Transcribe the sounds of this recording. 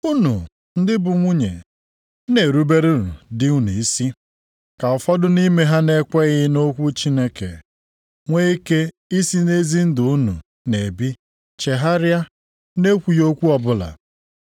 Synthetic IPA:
u˦nu˨ | n̩˦dɪ˦bʊ˨ŋʷu˦ɲḛ˨˦ | ne˨ɾu˦be˦ɾi˦ɾṵ˨dɪ˦u˦nu˨i˦si˦ | ka˨ʊ˨fɔ˦dʊ˦ni˦me˦ɦa˦ne˦kʷe˦ɣɪ˦no˦kʷu˦t͡ʃi˦ne˦kḛ˨ | ŋʷe˦i˦ke˦ | i˦si˦ne˦zi˦n̩˦dʊ˨u˦nu˨ | ne˨bi˦ | t͡ʃe˨ɦa˦ɾɪ˦a˦ | ne˦kʷu˨jo˦kʷu˦ɔ˨bʊ˦la̰˨

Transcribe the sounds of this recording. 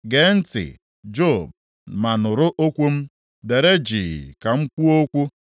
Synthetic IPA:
ɡe˨˦n̩˦tɪ̰˨ | d͡ʒo˦˨b | ma˨nʊ˨ɾʊ˦ʔo˦kʷu˦m̩˦ | de˨ɾe˦d͡ʒḭ˨ka˨ŋ͡m̩˦k͡pu˦o˦kʷu˦

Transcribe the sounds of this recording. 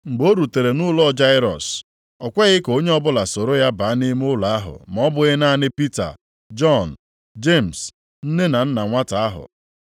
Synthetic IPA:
ŋ͡m̩˨ɡ͡bo˦ɾu˨te˨ɾe˨nʊ˦lɔ˦˨d͡ʒa˦ɪ˦ɾɔ̰˨s | ɔ˨kʷe˦ɣɪ˦ko˦ɲe˦ɔ˦bʊ˦la˨so˨ɾo˦ja˦ba˨˦ni˦m˦ʊ˦la˨a˦ɦʊ̰˨m˨ɔ˦bʊ˦ɣɪ˦na˦nɪ˦pi˦ta̰˨ | d͡ʒɔ˦˨n̩˨ | d͡ʒe˦˨m̩˨s | n̩˦ne˦na˨n̩˦na˨ŋʷa˦ta˨a˦ɦʊ̰˨

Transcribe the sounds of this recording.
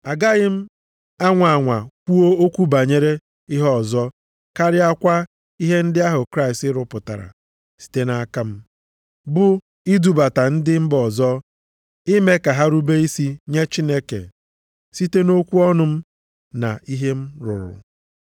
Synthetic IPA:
a˨ɡa˦ɣɪ˦m̩˦ | a˦ŋʷa˨a˨ŋʷa˨kʷu˦o˦o˦kʷu˦ba˨ɲe˦ɾe˦ | ɪ˦ɦɔ˦˨zɔ˦ | ka˦ɾɪ˦a˦kʷa˦ | i˦ɦe˦n̩˦dɪ˦a˦ɦʊ˨kɾa˦ɪ˨stɪ˦ɾʊ˨pʊ˨ta̰˨ɾa̰˨ | si̥˨te˦na˨a˦ka˦m̩˦ | bʊ˨ | i˦du˨ba˨ta˨n̩˦dɪ˦m̩˦bɔ˨zɔ˦ | i˦me˦ka˨ɦa˦ɾu˦be˦i˦si˦ɲe˦t͡ʃi˦ne˦kḛ˨ | si˦te˦no˦kʷu˦ɔ˦nʊ˨m̩˦ | na̰˨i˦ɦe˦m̩˦ɾʊ̰˨ɾʊ̰˨

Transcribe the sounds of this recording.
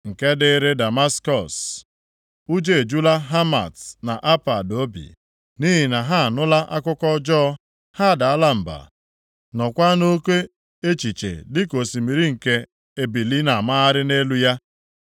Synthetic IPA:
ŋ̩˨ke˦dɪ˦ɾe˦da˨ma˦skɔ˨s | u˦d͡ʒe˦e˨d͡ʒu˦la˦ɦa˦ma̰˨tna˨ʔa˦pa˨do˦bḭ˨ | ni˦ɦi˨na˨ɦa˦a˨nʊ˦la˦ʔa˦kʊ˦kɔ˦d͡ʒɔ˦ | ha˦˨da˨a˦la˦m̩˨ba̰˨ | nɔ˨kʷa˦no˦kʷe˦ | e˦t͡ʃi˨t͡ʃḛ˨dɪ˦ko˨si˨mi˨ɾi˦ŋ̩˨ke˦ | e˨bi˨li˦na˨ma˦a˦ɾɪ˦ne˦lu˦ja˦

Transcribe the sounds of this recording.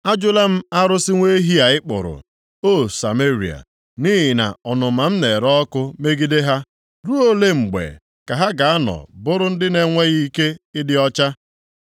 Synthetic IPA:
a˦d͡ʒʊ˦la˦m̩˦a˦ɾʊ˦sɪ˦ŋʷe˦ɦi˦a˨ɪ˦k͡pʊ̰˨ɾʊ̰˨ | o˦˨sa˨me˦ɾḭ˨a̰˨ | ni˦ɦɪ˨na̰˨ɔ˨nʊ˨ma˨m̩˦ne˨ɾɔ˦kʊ˦me˦ɡi˦de˦ɦa˦ | ɾu˦o˦le˦ŋ͡m̩˨ɡ͡bḛ˨ | ka˨ɦa˦ɡa˨a˦nɔ̰˨bʊ˦ɾʊ˦n̩˦dɪ˦ne˨ŋʷe˦ɣi˦ke˦ɪ˦dɪ˦ɔ˦t͡ʃa˦

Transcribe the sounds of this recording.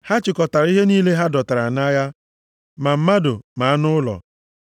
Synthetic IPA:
ha˦t͡ʃɪ˨kɔ˨ta˨ɾi˦ɦe˦niː˦le˦ɦa˦dɔ˨ta˨ɾa˨na˦ja˦ | ma˨m̩˦ma˦dʊ˨ma˨a˦nʊ˦ʊ˦lɔ̰˨

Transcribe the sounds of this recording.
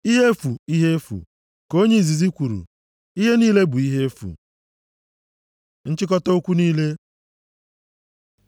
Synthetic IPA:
i˦ɦe˦fu˨i˦ɦe˦fṵ˨ | ko˦ɲe˦i˨zi˨zi˦kʷu˨ɾṵ˨ | i˦ɦe˦niː˦le˦bu˨i˦ɦe˦fṵ˨ | n̩˦t͡ʃɪ˦kɔ˦to˦o˦kʷu˦niː˦le˦

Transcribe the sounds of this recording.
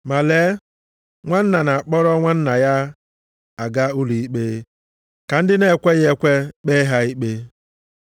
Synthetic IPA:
ma˨le˨˦ | ŋʷa˦n̩˦na˨na˨k͡pɔ˦ɾɔ˦ŋʷa˦n̩˦na˨ja˦ | a˨ɡa˦u˦li˨i˦k͡peː˦ | ka˨n̩˦dɪ˦ne˨kʷe˦ɣe˦kʷe˦k͡pe˦ɦa˦i˦k͡pe˦

